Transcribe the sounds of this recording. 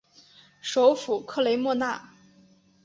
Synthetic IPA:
ʂo˧˥ʊfu˨˩kʰɤ˥˩le˧˥ɪmwɔ˥˧na˥˩

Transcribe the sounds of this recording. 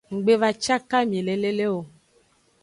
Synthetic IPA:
ŋ̩˨ɡ͡be˦va˨t͡ʃa˦ka˦mĩ˨le˨le˦le˦wo˨

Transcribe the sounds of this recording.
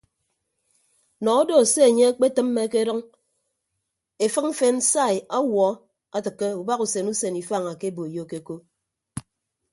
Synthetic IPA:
nɔ˨ɔ˦do˨se˦e˨ɲe˦a˦k͡pe˦tɨ˦mː˦e˦ke˦ɾɔ˦ŋ | e˨fɨ˦km̩˦fe˦n̩˦sa˦˨i˨a˦wɔ˦ | a˦tɨ˨kːe˦u˨ba˦ku˨se˨nu˦se˨ni˨fa˦˨ŋa˨ke˦bo˨e˨jo˦ke˨˦ko˦

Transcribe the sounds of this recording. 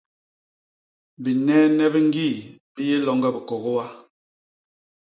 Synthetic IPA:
bi˨nɛː˦nɛ˦bɛ˦ŋ̩˦ɡi˦˨bi˦je˦lɔ˦ŋɡɛ˦bə˨kɔ˨ɣo˦wa˦

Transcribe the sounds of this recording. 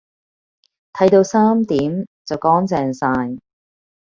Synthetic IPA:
t̪ʰɐ˨˥jt̪o˧wsaː˥mt̪iː˨˥mt͡sɐ˨wkɔː˨˥ŋt͡sɛː˨˧ŋsaː˧j

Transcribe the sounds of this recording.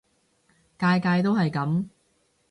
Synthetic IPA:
kaː˧jkaː˧jt̪̬o˥whɐ˨jkɐ˨˥m

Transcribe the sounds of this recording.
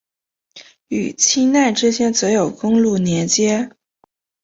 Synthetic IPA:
y̰˨˩t͡ɕʰi˥na˥˩nʈ͡ʂ̩˥ɕʰjɛ˥nt͡sɤ˧˥jo˨˩ʊkʊ˥ŋlu˥˩njɛ˧˥nt͡ɕjɛ˥

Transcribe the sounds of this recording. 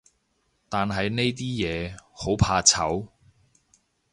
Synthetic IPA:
t̪aː˨nɦɐ˨jne˥jt̪̬iː˥jɛː˨˧ho˨˥wpʰaː˧t͡sʰɐ̰˨˥w

